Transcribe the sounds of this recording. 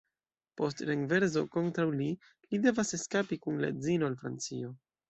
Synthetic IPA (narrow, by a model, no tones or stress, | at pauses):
po̞stɾeŋve̞ɾzo̞̰ko̞ntɾawli | lide̞vase̞skapikunla̰d͡zino̞alfɾa̰nt͡sio̞